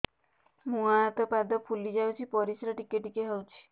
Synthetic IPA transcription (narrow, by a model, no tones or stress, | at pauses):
mũaːt̪ɔpad̪ɔpʰulid͡ʒawt͡ʃʰipɔɾisɾaʈikeʈikeɦɔwt͡ʃʰi̥